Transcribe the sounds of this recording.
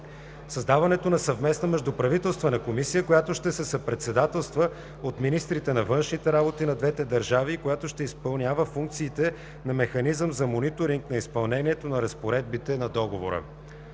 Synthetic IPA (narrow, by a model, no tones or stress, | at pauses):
sɐzd̪avɐnɛt̪onɐsɐvmɛsnɐmɛʒd̪upɾɐvit̪ɛlˠst̪vənɐkomisijəkojat̪oʃt̪ɛsɛsɐpɾɛt̪sɛd̪at̪ɛlˠst̪və | ot̪minist̪ɾit̪ɛnɐvɤnʃnit̪ɛɾabot̪inɐd̪vɛt̪ɛd̪ɐɾʒavikojat̪oʃt̪ɛispɐlˠnʲjavəfuŋk̚t̪siːt̪ɛ | nɐmɛxɐnizəmzɐmonit̪oɾiŋknɐispɐlˠnɛniɛt̪onɐɾɐspoɾɛd̪̚bit̪ɛnɐd̪ɔɡovoɾə̰